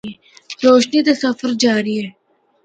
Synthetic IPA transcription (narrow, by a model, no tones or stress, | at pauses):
ɾoːʃnit̪ɐsəfəɾd͡ʒaːɾiɦɛː